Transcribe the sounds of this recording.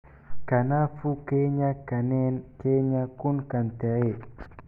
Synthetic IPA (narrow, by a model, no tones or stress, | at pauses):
kanafukeɲakanɛnkeɲakunkant̪eɾe